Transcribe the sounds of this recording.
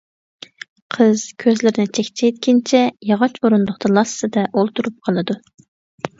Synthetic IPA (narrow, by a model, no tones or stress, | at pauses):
qʰəz̥kʲʰøzlɪɾɪnɪt͡ʃʰɛkʲt͡ʃʰɛjt̪kʲint͡ʃʰɛjɑʁɑt͡ʃoɾund̪ʊχt̪ɑlˠɑssɨd̪ɛʔolˠt̪uɾup̚qʰɑlˠɨd̪u